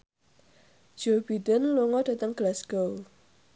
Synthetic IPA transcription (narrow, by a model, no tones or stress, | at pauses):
d͡ʒ̥obidənluŋɔd̥a̤t̪əŋɡ̥əlasɡ̥ow